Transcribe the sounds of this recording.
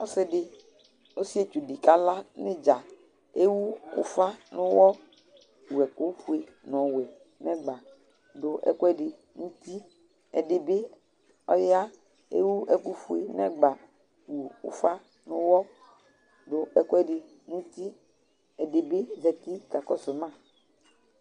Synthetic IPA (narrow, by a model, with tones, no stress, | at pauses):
ɔ˦sɪ˦ɖɪ˨ | o˦si˦e˦t͡ʃu˨di˨ka˦la˦ne˦d͡ʒa˨ | e˦wu˦ʊ̰˦fa˦nʊ̃˦wɔ˦ | wu˨ɛ˨ko˦ɸu˨e˨ | nɔ̃˨wɛ˨ | nɛ̃˦ɡ͡ba˨ | ɖʊ˨ʔɛ̰˦kɔ˦ɛ˦ɖe˨ | nũ˦t̪i˦ | ɛ˨dɪ˨be˦ | ɔ˦je˦a˦ | ḛ˦wu˦ɛ˦ku˦fu˨e˨nɛ̰̃˦ɡ͡ba˨ | wu˨ṵ˦fa˦ | nʊ̃˦wɔ˦ | ɖʊ˨ɛ˦kɔ˦ɛ˦ɖe˨ | nũ˦t̪i˦ | ɛ˨de˨be˦zɛ˨t̪i˦ka˨kɔ˦se˨mã˦˨